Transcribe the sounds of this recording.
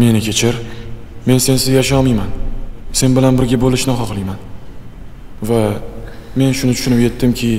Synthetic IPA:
me̞nɪkʲʰe̞t͡ʃʰɪɾ | me̞nse̞nsɪzjaʃ̬ɒmijmanse̞nbɪlanbɪɾɡʲabolɪʃnɪχɒqlˠɪjman | va | me̞nʃʊnɪt͡ʃ̪ʰʊ̥ʃʊnɪpje̞t̪ːɪmkʲʰɪ

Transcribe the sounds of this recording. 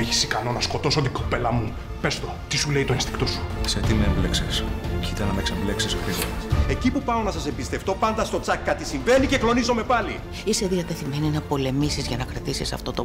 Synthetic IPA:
eçi̥sikɐno̞nɐsko̞t̪o̞sot̪iɡopelɐmu | pe̞st̪o̞t̪isule̞it̪oenst̪i̥kt̪o̞su̥set̪imeembleksescit̪ɐnɐmekseble̞ksisxɾiɣoe̞cipupɐo̞nɐsɐsembist̪e̞ft̪o̞pɐnd̪ɐst̪o̞t͡sɐkːɐt̪isiɱve̞nice̞klo̞nizo̞me̞pɐli | ise̞ðiɐt̪e̞θime̞ninɐpo̞le̞misizʝɐnɐkɾɐt̪isisɐ̰ft̪o̞t̪o

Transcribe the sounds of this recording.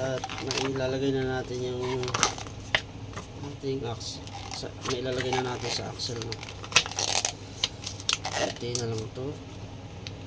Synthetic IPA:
ɐt̪̚nɐɪlaːlɐɡajnɐnaːt̪ɪnjaŋ | ʔat̪ɪŋaks | sɐ̰nɐɪlaːlɐɡajnɐnaːt̪ɪnsɐ̰ʔa̰ksɛlno | a̰t̪inɐlɐŋt̪o

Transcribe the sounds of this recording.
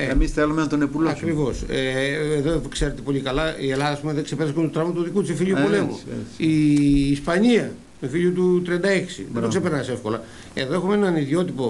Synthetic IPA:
eemisθelumeɐnt̪onepuloɐkɾivo̞seeðokse̞ɾet̪epo̞ʎikɐlɐie̞lɐðɐːspumeðeksepeɾɐskunt̪ut̪ɾɐmɐt̪oðikut̪isefiʎuppole̞mṵ̥iːspɐɲiɐ | mefiʎut̪ut̪ɾiɐnd̪ɐe̞ksḭðeoksepeɾnɐse̞fko̞lɐ | e̞̰ðo̞exumenɐniðio̞t̪ipo̞

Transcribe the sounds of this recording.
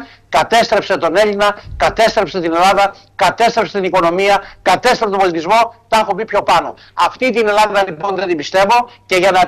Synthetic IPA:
kɐt̪e̞st̪ɾe̞pse̞t̪o̞ne̞ʎinɐkɐt̪e̞st̪ɾe̞pset̪ine̞lɐðɐ | kɐt̪e̞st̪ɾe̞pset̪iniko̞no̞miɐkɐt̪e̞st̪ɾepst̪obolit̪izmo̞t̪ɐxomipço̞pɐno̰ | ɐft̪it̪ine̞lɐðɐlipo̞nðet̪imbist̪e̞vo̞ce̞ʝɐnɐ

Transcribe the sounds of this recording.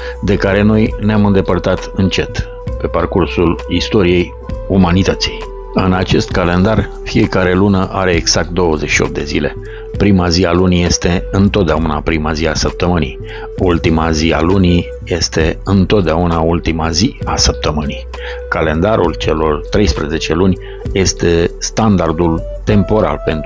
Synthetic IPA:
d̪e̞kaɾe̞no̞jneamɨnd̪e̞pərt̪at̪ɨnt͡ʃe̞t̪ | pe̞parkursulist̪o̞ɾije̞j | umanit̪ət̪si̥j | ɨnat͡ʃe̞st̪kale̞nd̪ar | fije̞kaɾe̞lunəʔaɾe̞ːɡz̥ak̚t̪̚d̪o̞wəzeʃio̞̰p̪̚d̪e̞zile̞ | pɾimazialunije̞st̪e̞ɨnt̪o̞t̪̚d̪eauna̰pɾimaziasəp̚t̪əmɨnḭ | ult̪imazia̰luni | je̞st̪e̞ɨnt̪o̞t̪̚d̪eaunault̪imaziasəp̚t̪əmɨni | kale̞nd̪aɾult͡ʃe̞lo̞rt̪ɾe̞jspɾəze̞t͡ʃe̞lunʲ | je̞st̪e̞st̪and̪ard̪ul | t̪e̞mpo̞ɾa̰lpe̞nt̪

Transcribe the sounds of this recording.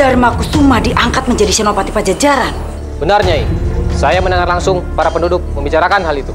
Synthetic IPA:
armakusumahdiʔaŋkat̪̚məɲd͡ʒadisɛnopat̪ipad͡ʒad͡ʒaɾan | bənarɲaisajamənəŋarlaŋsʊŋpaɾapəndudʊk̚məmbit͡ʃaɾakanɦalit̪u

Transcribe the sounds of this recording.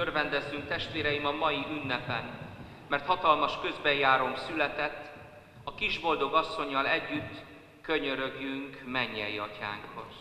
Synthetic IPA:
ørvɛnd̪ɛzːyŋk̚t̪ɛʃt̪ʋeːɾɛjimɒmɒjiʔynːɛpɛn | mɛrt̪hɒt̪ɒlmɒʃkø̞zbɛjaːɾo̞msylɛt̪ɛt̪ː | ɒkiʒbo̞ld̪o̞ɡɒsːo̞ɲːɒlɛɟːyt̪ː | kø̞ɲø̞ɾø̞ɡjyŋkmɛɲːɛjiɒca̰ːŋkho̞z

